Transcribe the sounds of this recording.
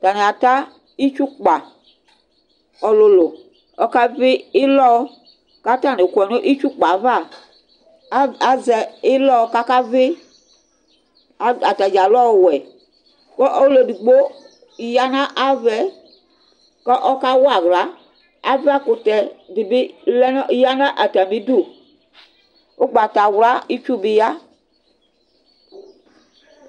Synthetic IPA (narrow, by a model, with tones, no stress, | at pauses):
ta˨ne˨a˨ta˦ | i˦t͡ʃu˦k͡pa˨ | ɔ˨lo˨˧lo˨ | ɔ˦ka˦vɪ˦ɪ˦lɔ˦ | ka˦ta˦˨ne˨kɛ˨n˦o˦ʔi˦t͡ʃu˦k͡pa˨˦va˦˨˦ | a˨zɛ˧ɪ˦lɔ˦˧ka˦ka˦ve˦ | a˨a˨ta˨d͡ʒa˨lɔ˦˨wɛ˨ | kɔ˦ʔo˦le˨du˨ɡ͡bo˦˨ | ja˦nã˦ʔa˦vɛ˨˦ | kɔ˦ʔɔ˦ka˦wa˨wla˦ | a˦va˦ko˨tɛ˨bi˨bi˦lɛ˦nɔ˦ja˦nã˦ʔa˨ta˨mĩ˦du˦˨ | o˦ɡ͡ba˨ta˨wla˦i˦t͡ʃu˦bi˨ja˦